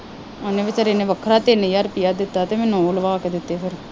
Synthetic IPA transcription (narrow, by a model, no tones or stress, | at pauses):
oneːʋɪt͡ʃəɾeːneːʋəkʰɾaːt̪eːnəijaːɾpijaːd̪ɪt̪ːaːt̪eːmɛ̃ːnũːoːləʋaːked̪ɪt̪ːeːpʰɪɾ